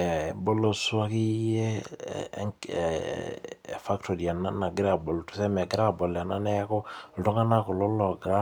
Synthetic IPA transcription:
ɛ˨bo˦lo˦˨sʊ˦a˦ki˦jḛ˦ | ŋ˨ | fa˦ktʰo˨ɾi˨a˨na˦na˨ɡɪ˦ɾa˦˨bo˨ltu˨sɛ˦mɛ˨ɡɪ˦ɾa˦˨bɔ˨la˨na˦nɛ˦kɔ˦ltɔ˦ŋa˦na˦ko˨lɔ˦lɔ˨ɡɾa˦

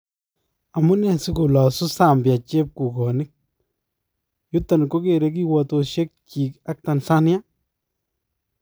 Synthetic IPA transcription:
a˨mʊ˦nɛ˦˨sɪ˦ku˨la˨sʊ˦sa˦˨mbja˨t͡ʃe˦p̚ku˨kɔ˨nɪ˦k̚ | jʊ˦tːa˨nko˦ke˨ɾe˦k̬i˦wa˨to˨ʃe˦k̚t͡ʃi˨ka˦k̚ta˨nsa˦nja˦

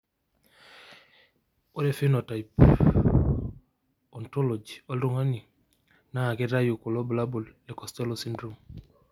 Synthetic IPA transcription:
o˦ɾe˦fi˦nɔ˨ta˨jp | ɔ˨ntɔ˦lo˨d͡ʒiɔ˦lɾo˦˨ŋa˦ni˨ | naː˦˨ke˦ɾa˦ju˨ku˨lɔ˦bu˨la˦bu˨lɛ˨kɔ˨stɛ˦lo˦si˦ndɾu˦m

